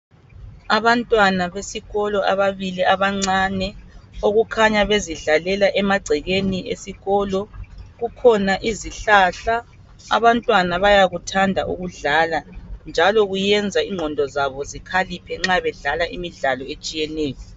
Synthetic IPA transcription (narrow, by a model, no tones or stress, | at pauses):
aβantʼwanaβesiɣɔlɔʔaβaβiliaβaŋ͡ǀanɛoɣukʰaɲaβeziɮalɛlaʔɛmaɡ͡ǀʱiɣeniʔḛsiɣɔlɔɣukʰɔnaʔiziɬaɬa̰ː | βantʼwanaβajaɣutʰandʱaʔṵɣuɮaland͡ʒʱalɔɣujɛnd͡zʱaiŋʱɔndʱɔzaβɔzikʰalipʰɛŋ͡ǁaβɛɮalaʔimiɮalɔet͡ʃʼijɛnɛːjɔ